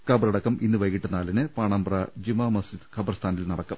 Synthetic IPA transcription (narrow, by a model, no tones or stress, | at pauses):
kɐbɐrɐɽɐkːɐmʔinːɨʋɐjkːiʈːɐnːaːlinɨpaːɳaːmbrɐd͡ʑimɐmɐsid̪kʰɐbɐrst̪ʰaːnilnɐɽɐkːɐm